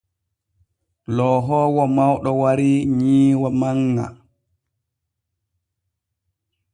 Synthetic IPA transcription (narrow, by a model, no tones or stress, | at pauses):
lɔːɦɔːwɔmawɗɔwaɾiɲiːwamaŋːa̰